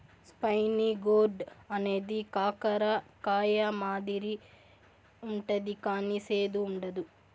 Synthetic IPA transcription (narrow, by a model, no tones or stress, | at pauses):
spɐjniɡoːɖɐneːd̪ikaːkɐɾɐkaːjɐmaːd̪iɾi | uɳʈɐd̪ikaːniseːd̪uːɳɖɐd̪u